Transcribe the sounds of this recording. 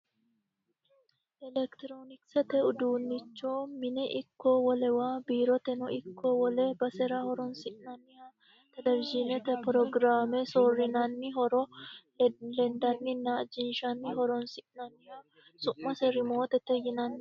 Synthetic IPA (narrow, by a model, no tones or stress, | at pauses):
ʔɛlɛkt̪ɪɾoːnɪksɛt̪ɛʊd̪uːnːɪt͡ʃːoːmɪnɛʔɪkːoːwɔlɛwaːbiːɾɔt̪ɛnɔɪkːoːwɔlɛbɐsɛɾahɔɾɔnsɪʔnɐnːɪja | t̪ɐd̪ɐɾd͡ʒinɛt̪ɛpɾɔɡɾaːmɛsorɪnɐnːɪɦɔɾɔ | lɛnd̪ɐnːɪnːɐd͡ʒɪnʃɐnːɪɦɔɾɔnsɪʔnɐnːɪha | sʊʔmɐsɛɾɪmo̞ːt̪ɛt̪ːɛjɪnɐnː